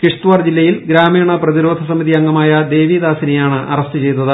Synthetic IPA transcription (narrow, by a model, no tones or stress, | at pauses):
kiʂt̪uʋard͡ʑilːɐjilɡɾaːmiːɳɐprɐðiɾo̞ːd̪ʱɐsɐmiðiɐŋːɐmaːjɐd̪e̞ːʋid̪aːsinɐjaːɳɨʔɐrɐst̪ɨt͡ɕe̞jt̪ːɐðɨ